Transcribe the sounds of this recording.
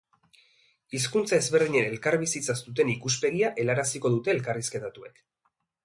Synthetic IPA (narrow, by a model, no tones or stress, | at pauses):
is̬kunt͡sae̞zβe̞rðiɲe̞ne̞lkaɾβ̞isit͡sast̪ut̪̬e̞nikuspeɣ̞iaʔe̞laɾasiko̞ð̞ut̪e̞ːlkariske̞t̪at̪ue̞̰k